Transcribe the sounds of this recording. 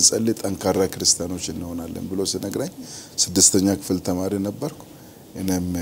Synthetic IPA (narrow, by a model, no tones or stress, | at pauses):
nsʼəlːet̪ʼəŋkʰaɾːakɨɾɨst̪ʰijano̞t͡ʃːɨnːɨho̞nalːə̰nbɨlo̞sɨnəɡɾaɲːsɨd̪ːɨst̪ʰəɲːakʰɨ̥fɨlt̪ʰəmaɾinəbːəɾkʰʷu̥ | ʔɨnem